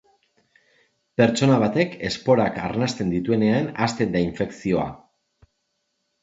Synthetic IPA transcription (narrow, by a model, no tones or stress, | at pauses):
pe̞ɾt͡ʃo̞naβ̞at̪e̞ke̞spo̞ɾaka̰ɾnast̪e̞nd̪it̪ue̞ne̞anast̪e̞nd̪aiɱfe̞ksio̞a̰